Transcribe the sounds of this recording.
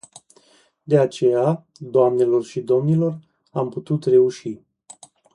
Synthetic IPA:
d̪e̞at͡ʃe̞ja | d̪oamne̞lo̞rʃid̪o̞mnilo̞r | amput̪ut̪re̞uʃi

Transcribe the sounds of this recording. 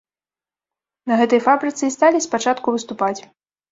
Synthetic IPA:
nɐɣɛt̪ɐjfabɾɨt̪sɨist̪alʲispat͡ʂat̪kuvɨst̪upat͡sʲ

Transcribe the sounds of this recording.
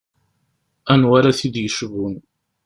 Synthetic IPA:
ænwaɾaθid̪jəʃvun

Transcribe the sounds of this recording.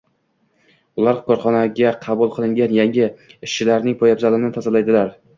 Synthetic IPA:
ʊlˠaɾkʰɒɾχɒnaɡʲaqʰɑbʊlˠqʰɨlˠɪŋɡʲanjaŋʲɪɪʃːɪlaɾnɪŋpʰɒjabzalɪnɪt̪ʰazalajd̪ɪlaɾ

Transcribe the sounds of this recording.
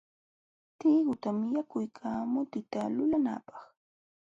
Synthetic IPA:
t̪iɢʊt̪amɪjakʊjkʰaːmʊt̪ɪt̪alʊlana̰ːpɑ̥χ

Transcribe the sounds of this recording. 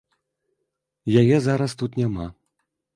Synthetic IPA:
jajɛzaɾɐst̪ut̪nʲama

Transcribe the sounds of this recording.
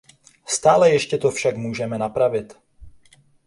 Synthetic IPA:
st̪aːlɛjɛʃcɛt̪ofʃakmuːʒɛmɛnapɾavɪt̪

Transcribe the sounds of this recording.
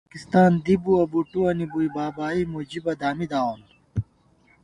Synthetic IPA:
kist̪aːnd̪ibuɐbuʈuwɐnibuibaːbaːimud͡ʑibɐd̪aːmid̪aːon

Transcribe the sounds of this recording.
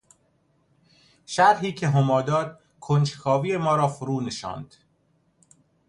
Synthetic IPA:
ʃæɾɦiːcʰe̞ɦomɒːd̪ɒːd̪̥ | kʰont͡ʃkʰɒːviːjemɒːɾɒːfoɾuːneʃɒ̰ːnd̪̥

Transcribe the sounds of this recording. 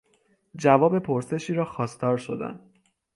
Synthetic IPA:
d͡ʒævɒːbe̞pʰo̞ɾse̞ʃiːɾɒːxɒːst̪ɒːɾʃo̞d̪æ̰n

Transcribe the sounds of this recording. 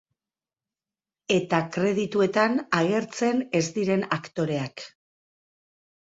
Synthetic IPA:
e̞t̪akɾe̞ð̞it̪ue̞t̪anaɣ̞e̞ɾt͡se̞ne̞zd̪iɾe̞nakt̪o̞ɾe̞ak

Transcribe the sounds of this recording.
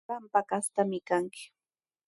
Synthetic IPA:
ampakast̪amɪkaŋkɪ̥

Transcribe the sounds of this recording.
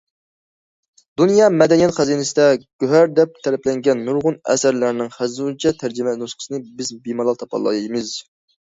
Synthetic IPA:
d̪unjɑmɛd̪ɛnijɛt̪χæzinɪsɪd̪ɛɡ̥ʲøɦæɾd̪ɛp̚t̪ʰɛɾɛplɛŋɡʲɛnːuɾʁʊnɛ̰sæɾlæɾɪnɪŋχæzunt͡ʃʰɛt̪ʰæɾd͡ʒɪmɛnusqə̥sɨnɨbɪzbimɑlˠɑlˠt̪ʰɑpʰɑ̰lˠːɑ̰jmɨz̥

